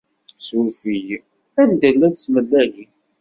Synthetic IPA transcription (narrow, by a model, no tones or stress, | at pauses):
sufij | ænd̪əlːæd̪θməlːæli